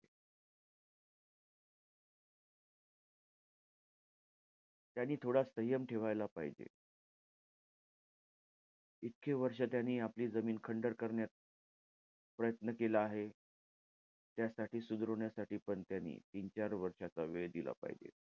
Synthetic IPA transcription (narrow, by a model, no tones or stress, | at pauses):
t̪janːiːt̪ʰoɽasəijəmʈʰeʋajlapaɦid͡ʑḛ | it̪̚kʰeʋəɾʂ̬at̪janːiːapliːd͡zəmiːnkʰəɳɖəɾkəɾɳjat̪̚ | pɾəjət̪nəkelaːɦe | t̪jasaʈiːsud̪ɾoɳjasaʈiːpəɳt̪janːḭːt̪int͡ɕaɾʋəɾʂat͡saʋeɭd̪ila̰pa̰ɦḭd͡ʑḛ